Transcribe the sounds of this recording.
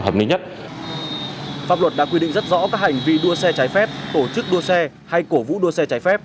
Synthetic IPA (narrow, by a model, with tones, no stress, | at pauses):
haː˨˩m̚nï˧ɲə˦˥t̚ | faː˦˥p̚lə˩t̚ɗa̰ː˧˥kwi˧ɗḭ˧˨ŋzə˦˥t̚zɔ̰˧˥kaː˦˥k̚ha˨˩jŋ̟vḭ˧ɗu˧əsɛ˧t͡ɕaː˨˦jfɛ˦˥p̚t̪o˧˩t͡ɕɨ˦˥k̚ɗu˧əsɛ˧ | ha˧jko˧˩vṵ˧˥ɗu˧sɛ˧t͡ɕaː˨˦jfɛ˦˥p̚